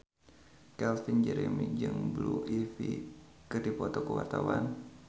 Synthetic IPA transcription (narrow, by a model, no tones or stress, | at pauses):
kɛlfind͡ʒəɾɛmid͡ʒɨŋbluʔifi | kɨrdipɔt̪ɔkuwart̪awan